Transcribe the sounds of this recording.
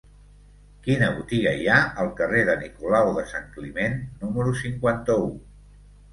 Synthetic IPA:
kinəβut̪iɣəiaəlˠkəreðənikulawðəsaŋklimenːuməɾusiŋkwant̪əu

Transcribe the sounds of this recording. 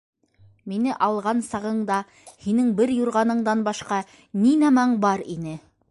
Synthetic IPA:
minɘʔɑlˠʁɑnsɑʁɤ̆ɴd̪ɑ | hinɘŋbɘɾjuɾʁɑnɤ̆ɴd̪ɑnbɑʃqɑ | ninæmæɴbɑɾinɘ

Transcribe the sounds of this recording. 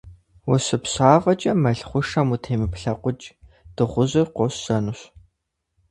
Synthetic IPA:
wʊsɨpɕaːʁɐt͡ʃʼɐmɐɬχʷʊʂɐmutʰeːmɨpɬɐqʷʊt͡ʃʼ | d̥ɨʁʷʊʑɨrqʷɔɕːɐnuɕ

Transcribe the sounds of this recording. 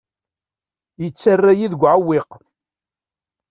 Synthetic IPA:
jət͡sːarːajiðɡʷʕawːɪq

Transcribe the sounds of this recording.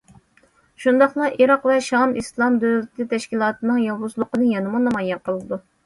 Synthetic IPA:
ʃund̪ɑχlˠɑʔiɾɑqvɛʃɑmislˠɑmd̪øwlɪt̪ʰɪt̪ʰɛʃkʲilˠɑːt̪ʰɨnɨŋjɑwlˠuzlˠʊqənɨjɑnɨmunɑmɑjɑqəlˠɨd̪u

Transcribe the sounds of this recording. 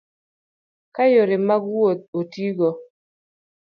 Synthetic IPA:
kajoɾɪmaɡwot̪̚otiɡɔ

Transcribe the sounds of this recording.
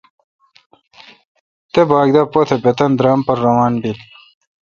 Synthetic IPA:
t̪ebaːɡd̪ɐpot̪ʰebet̪ɐnd̪ɾaːmpɐɾːɐwaːnɖil

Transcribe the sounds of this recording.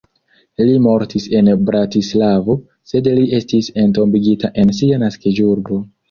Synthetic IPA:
limo̞ɾtise̞nbɾatislavo̞ | se̞dliʔe̞stise̞nto̞mbiɡitaʔe̞nsianaskid͡ʒuɾɡo̞

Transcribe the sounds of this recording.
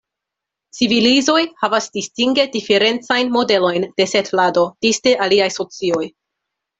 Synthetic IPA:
t͡sivilizo̞jhavasdistiŋɡe̞dife̞ɾe̞nt͡sajnmo̞de̞lo̞jnd̥e̞se̞tlado̞d̥isde̞ʔaliajso̞t͡sio̞j

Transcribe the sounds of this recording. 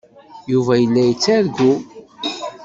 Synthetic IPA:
juvæjəlːæjət͡sːæɾɡu

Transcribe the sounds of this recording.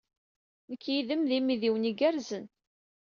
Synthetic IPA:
nəkːjiðəmðimiðiwniɡæɾzən

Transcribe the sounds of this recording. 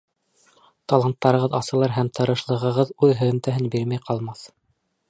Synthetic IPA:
t̪ɑlˠɑnt̪ːɑɾɤ̆ʁɤðɑsɤ̆lˠɑɾɦæmt̪ʰɤ̆ɾɤ̆ʃlˠɤ̆ʁɤ̆ʁɤðʉðɦɵ̆ðɵ̆mt̪æɦɘnbiɾmæjqɑlˠmɑθ

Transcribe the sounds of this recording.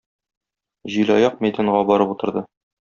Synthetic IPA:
ʑilɒjɑq̚mæjd̪æɴʁɑbɒɾɤput̪ɤ̆ɾd̪ɤ

